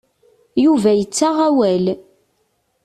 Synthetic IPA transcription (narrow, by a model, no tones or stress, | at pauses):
juvæjət͡sːaʁæwæl